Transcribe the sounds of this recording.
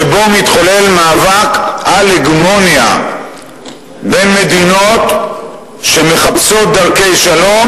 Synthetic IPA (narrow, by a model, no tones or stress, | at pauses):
ebo̞mit̪χole̞lmaːvakaleɡmonja̰ | be̞nme̞d̪ino̞t̪ | ʃe̞me̞χapso̞t̚d̪aʁke̞jʃalo̞m